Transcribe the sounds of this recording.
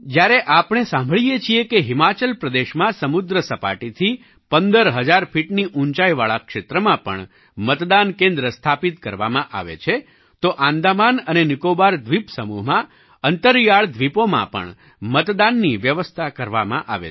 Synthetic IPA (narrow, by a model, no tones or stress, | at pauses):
d͡ʒjaɾeʔapɳ̃esãmbʱəɭijet͡ʃʰiekeɦɪmat͡ʃəlpɾəd̪eʃmãsəmud̪ɾəsəpa̰ʈit̪ʰi | pənd̪əɾɦəd͡ʒaɾfiʈniʔuɲt͡ʃaiʋaɭakʃet̪ɾəmãpə̰ɳ | mət̪d̪ankẽnd̪ɾəst̪ʰapit̪kəɾʋamãʔa̰ʋḛt͡ʃʰe | t̪oʔãnd̪amanənenɪkobaɾd̪ʱʋipsəmuɦmã | ənt̪əɾjaɭd̪ʱʋipomã̰pə̰ɳ | mət̪d̪anːiʋjəʋəst̪ʰakəɾʋa̰mã̰ʔa̰ʋḛ